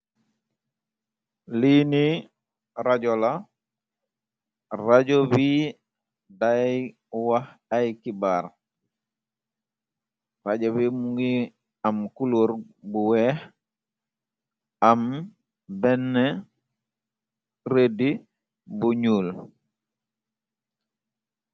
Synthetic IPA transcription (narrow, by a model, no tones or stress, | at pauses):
lini | ɾaɟola | raɟobi | da | wahajkibaɾ | ɾaɟoβimuŋɡi | amkuloɾbuwɛh | am | bɛnːe | ɾedi | buɲuːl